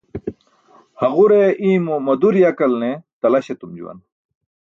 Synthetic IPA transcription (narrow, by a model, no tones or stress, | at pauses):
hɐɣuɾeʔĩːmomɐd̪uɾjɐkɐlnet̪ɐlɐɕet̪umd͡ʑṵwɐ̰n